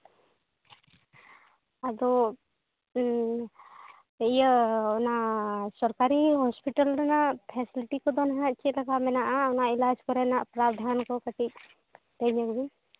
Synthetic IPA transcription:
ad̪ɔ | ijəɔnasɔɾkaɾiɦɔspiʈəlɾɔnapʰɛsiliʈikɔd̪ɔnɦãt͡ʃilaɡamɛnaʔaɔnailad͡ʒkɔɾɛnaʔpɾabd̪ʱankɔkəʈik̚ | d̪ɛɲəkbi

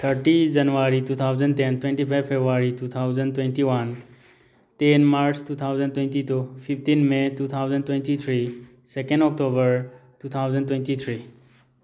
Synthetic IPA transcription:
t̪ʰəɾʈid͡ʒɐnʋaːɾit̪uːt̪ʰaːʊzəɳɖt̪ent̪wẽnʈipʰaɪʋfebɾaːɾituːt̪ʰaːʊzə̃ɳɖtwẽnʈiʋən | t̪eːnmaːɾt͡ʃtuːt̪ʰaːʊzə̃ɳɖ̚t̪wẽnʈit̪upʰɪfʰʈinmẽtuːt̪ʰaːʊzə̃ɳɖt̪wẽnʈit̪ʰɾi | sekə̃ɳɖɔːk̚ʈoːbəɾtuːt̪ʰaːʊzə̃ɳɖtwẽnʈit̪ʰɾiː

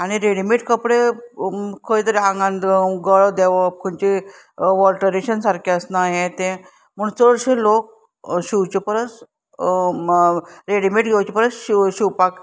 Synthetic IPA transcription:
aɽ̃iɾeɽimiʈkəpɽe | kʰəit̪əɾeãŋɡãnd̪ɡəɭəd̪eʋəp̚kʰənt͡ɕi | ʋɔlʈəɾeɕənsaɾkʰeəsnaɦẽt̪ẽ | m̤əɳt͡səɽɕelok̚ | ɕiwt͡ɕipəɾət͡s | ɾeɽimiʈɡʱewt͡ɕipəɾət͡sɕiwpak

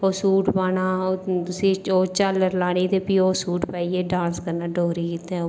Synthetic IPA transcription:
oːsuːʈpaːnaːot̪ʊsĩːoːt͡ʃaləɾlaːɽ̃iːt̪eːpiːoːsuːʈpaːiːeːɖãːnskəɾnaːɖoːɾiːit̪ɛ̃

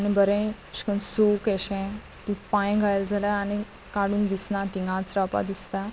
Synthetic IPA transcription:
añibəɾẽ | ɕi̥kənsukeɕẽ | t̪ĩpãjɡʱajld͡zʱalãaɽi | kaɽuːnd̪isnãʈiŋɡãt͡sɾapa̰d̪ist̪a

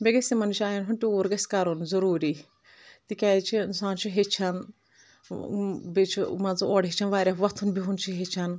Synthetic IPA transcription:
bʲeɡɐsʲimɐnuʃaːjanɦunʈiuːɾɡɐsʲkɐɾonzɐɾuːɾi | t̪ikʲaːt͡ʃʰinsaːnt͡ʃʰiɦet͡ʃʰan | bet͡ʃʰimɐzuoːɽɦet͡ʃʰanʋaːɾʲaʋɐt̪ʰunbiɦunt͡ʃʰiɦet͡ʃʰan

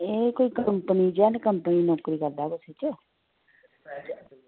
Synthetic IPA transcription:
eːkoːiːkəmpəniːd͡ʒɛːnkəmpəniːnɔːkɾiːkəɾd̪aːkʊsiːt͡ʃə

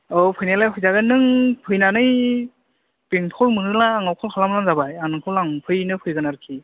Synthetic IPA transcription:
ɔwpʰɯjnalajpʰujzaɡɯnːɯŋpʰɯjnanɯj | piŋpʰɔlmɯnɯlaːŋawkʰɔlkʰalamlanzabajanɯkʰɯlaŋpʰɯjnɯpʰɯjɡɯnaɾɯkʰi

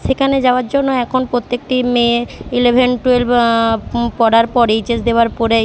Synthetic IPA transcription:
ʃekʰaned͡ʑaoaɾd͡ʑonːoɛkʰonpɾot̪ːek̚ʈimeilebʱenʈuel | pɔɽaɾpɔɾejt͡ɕesd̪eoaɾpɔɾe

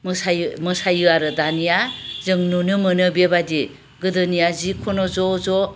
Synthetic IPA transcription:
mɯsajmɯsajɯaɾɯdanijazɯŋnunɯmɯnɯbebadi | ɡɯdɯnijazikʰonɔzɔzɔ

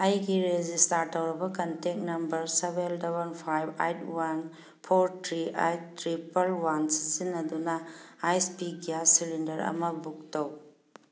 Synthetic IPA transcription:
ɐjɡiɾed͡ʒistaɾtɐwɾɐbɐkɐntek̚nɐmbɐɾsebeldabɐnpʰajba̰jtwan | pʰoɾtʰɾiajtːɾipɐlwansizinːɐdunɐajspiɡijasilindɐɾɐ̰mɐbuk̚tɐw

